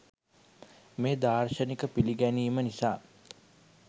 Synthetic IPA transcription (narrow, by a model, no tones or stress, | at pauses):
meːd̪aːrʃənikəpiliɡæniːmənisaː